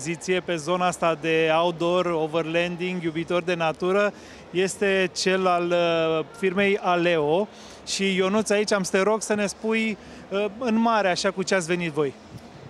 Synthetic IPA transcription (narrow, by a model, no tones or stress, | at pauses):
zit̪sije̞pe̞zo̞naast̪ad̪e̞aud̪o̞rovərlend̪iŋɡjubit̪o̞rd̪e̞nat̪uɾə | je̞st̪e̞t͡ʃe̞lalfirme̞jale̞o | ʃijo̞nut̪sait͡ʃʲamst̪eɾo̞ɡsəne̞spuj | əɨnmaɾeaʃakut͡ʃeat̪sʲve̞nit̪vo̞j